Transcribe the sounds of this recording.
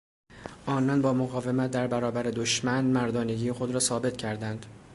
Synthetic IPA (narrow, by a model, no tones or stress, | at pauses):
ʔɒːnɒːnbɒːmoɣɒːve̞mæt̪̚d̪æɾbæɾɒːbæɾe̞d̪oʃmænmæɾd̪ɒːneɟijexod̪ɾɒːsɒːbe̞t̪cʰæɾd̪ænd̪̥